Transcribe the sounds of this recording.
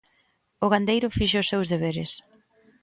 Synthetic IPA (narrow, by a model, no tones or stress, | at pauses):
ʊɣand̪ejɾʊfiʃʊsːewzðeβ̞eɾɪ̰s